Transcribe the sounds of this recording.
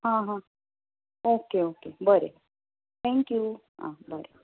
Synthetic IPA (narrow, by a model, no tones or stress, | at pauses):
hãɦã | oːkeoːkebəɾe | t̪ʰɛ̃ŋkju | ã̰bəɾe